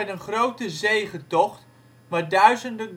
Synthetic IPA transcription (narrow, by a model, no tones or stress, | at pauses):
ɛjdənχrowtəzejχətɔχt | maːɹdœɥzəndəɡ